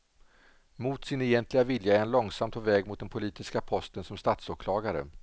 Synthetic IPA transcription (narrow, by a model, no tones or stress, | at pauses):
mut̪sɪnɛjɛnt̪lɪɡavɪljaɛɾhanlɔŋsamt̪pʰɔvɛːɡmʊt̪̚d̪ɛnpʰʊliːt̪ɪskapʰɔst̪ənsɔmst̪at̪soːkʰlɑːɡaɾə̰